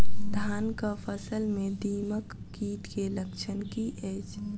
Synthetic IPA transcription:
d̪ʱaːnkapʰəsəlmẽd̪iːməkːiːʈkeləkt͡ʃʰənkiʔɛːt͡ʃʰ

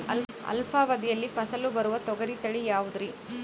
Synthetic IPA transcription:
ɐ̰l | ɐ̰lpʰaːʋɐd̪ijɐlːipʰɐsɐlubɐɾuʋɐt̪ɔɡɐɾit̪ɐɭijaːʋud̪ɾi

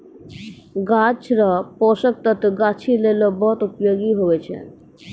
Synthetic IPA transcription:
ɡat͡ɕɾapɔʃək̚t̪at̪ɡat͡ɕʰilelobʱːɔt̪upjoɡiɦoet͡ɕʰḛn

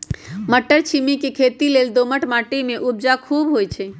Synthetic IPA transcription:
məʈːəɾt͡ʃʰimikekʰet̪ileld̪oməʈmaʈemeʔub̚d͡ʒakʰubɦojt͡ʃʰɛ

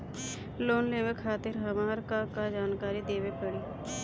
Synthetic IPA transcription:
loːnleːʋekʰaːt̪ɪɾɦəmaːɾkakad͡ʒaːnkaːɾid̪eːʋepəɽiː

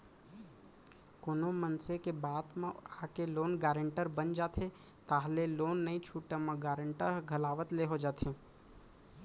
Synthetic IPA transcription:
konomənsekebaːd̪mẽaːkeloːnɡaːɾə̃ɳʈəɾbənd͡ʒaːt̪et̪aːɦleloːnːɐĩt͡ʃʰuːʈemãɡaːɾə̃ɳʈəɾɡʱɐlaːʋət̪leɦod͡ʒaːt̪ẽː

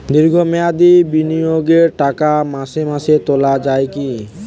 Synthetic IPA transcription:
d̪iɾɡʱomɛad̪ibinijoɡeɾʈakamaʃemaʃet̪olad͡ʑajeki

